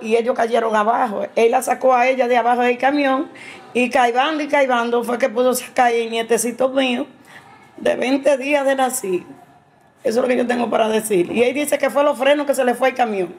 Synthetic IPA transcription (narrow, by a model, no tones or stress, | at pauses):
ie̞ʎoskaʝe̞ɾoŋaβaɦo̰ejlasakoae̞ʎaðeaβahoðelkamjõŋikajβand̪oikajβand̪ofwek̬e̞puðosḁkaɾeŋɲet̪esit̪omĩo | d̪ḛβe̞nt̪e̞ðiaðenasi | es̬oelokeʝot̪̬eŋɡopaɾaðesiɾlḛield̪iseke̞fwelofɾe̞noke̞s̬e̞lefweelkamjõŋ